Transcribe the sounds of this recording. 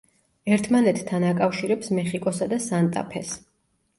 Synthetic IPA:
ɛɾt̪ʰmanɛt̪ːʰanakʼafʃiɾɛpsmɛχikʼɔsad̪asant̪ʼa̰pʰɛs

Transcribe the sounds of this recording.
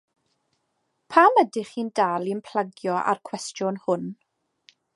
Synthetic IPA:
pʰamədɪχiːndalˠinpʰl̥aɡjɔʔa̰rkʰw̥ɛstjɔnhʊn

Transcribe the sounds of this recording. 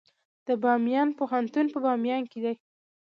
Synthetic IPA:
d̪̥əbɑmjɑnpoɦant̪unpəbɑmjɑnked̪aj

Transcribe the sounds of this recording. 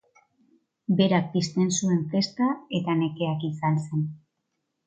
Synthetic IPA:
be̞ɾak̚pist̪e̞nsue̞ɱfe̞st̪ae̞t̪ane̞ke̞akisanse̞n

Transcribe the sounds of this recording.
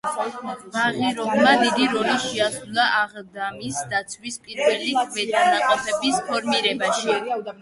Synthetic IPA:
maʁiɾɔbmad̪id̪iɾɔliʃɛasulˠaʔaʁd̪amisd̪at̪sʰwispʼiɾvɛlikʰvɛt̪anaqʼɔpʰɛbispʰɔɾmiɾɛbaʃi

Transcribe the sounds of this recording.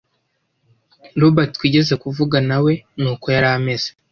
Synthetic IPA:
ɾobaɾtkwiːɟe̞ze̞kuvuɡanawe̞nuːko̞jaɾame̞z̥e

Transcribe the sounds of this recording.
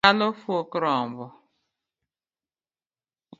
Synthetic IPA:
alofuokʊɾɔmbʊ

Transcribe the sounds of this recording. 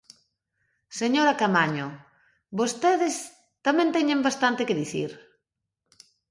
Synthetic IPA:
seɲoɾakamaɲo | bost̪eðɪs | t̪amɛ̃nt̪ɛɲẽmbast̪ant̪ɪkɪðiθḭɾ

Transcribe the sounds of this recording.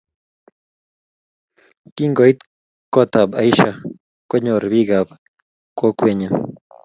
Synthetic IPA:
kiŋɡoit̪ | kot̪abajʃa | kʷeɲoɾbiɡab | kokʷeɲa

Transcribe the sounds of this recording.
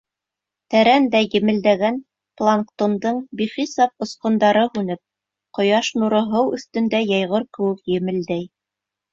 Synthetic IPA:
t̪æɾænd̪æjɘ̆mɘ̆ld̪æɡæn | plˠaŋkt̪ond̪ɤɴbiχisɑp̚ŏsqŏnd̪ɑɾɤhʉnɘp̚ | qŏjɑʃnuɾɤ̆ɦɤwɵ̆θt̪ɵ̆nd̪æjɑjʁɤɾkɘ̆wɘ̆kjɘ̆mɘ̆ld̪æj

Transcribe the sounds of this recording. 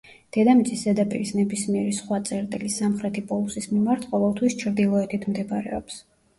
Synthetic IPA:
d̪̥ɛd̪amit̪sʼisd̪ɛd̪apʼḭɾisnɛbismiɛɾisχwat̪sʼɛɾt̪ʼilisamχɾɛt̪ʰipʼɔlˠusismimaɾt̪ʰqʼɔvɛlˠt̪ʰwist͡ʃʰɾd̪ilˠɔɛt̪ʰit̪ʰmd̪ɛbaɾɛ̰ɔps

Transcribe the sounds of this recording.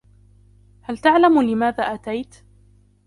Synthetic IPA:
halt̪aʕlamlɪmaːðaːʔat̪ajt̪

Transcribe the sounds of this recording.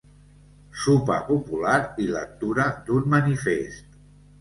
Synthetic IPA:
supə̰pupulaɾilə̰k̚t̪uɾəd̪unmənifest̪

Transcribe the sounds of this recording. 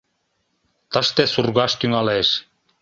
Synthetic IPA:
t̪ɤ̆ʃt̪esurɣɑʃt̪yŋɑleʃ

